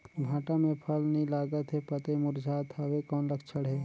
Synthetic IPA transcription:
bʱãːʈamẽpʰəlnəĩlaːɡət̪ɦɛpət̪emʊɾd͡ʒʱaːt̪awekɔːnləkt͡ʃʰəɽɦɛː

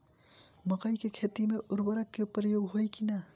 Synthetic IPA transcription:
məkəjkekʰet̪imeʔʊɾbəɾəkːepɾəjoɡɦojkina

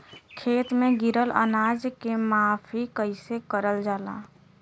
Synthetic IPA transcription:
kʰeːt̪mẽɡɪɾələ̰naːd͡ʒkemaːfʰikəɪsekəɾəld͡ʒaːla̰ː

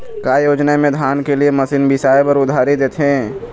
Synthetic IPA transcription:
kaːjoːd͡ʒnamẽd̪ʱaːnkelieməsiːnbɪsaːjpəɾʊd̪ʱaːɾid̪eːt̪ʰɦẽː

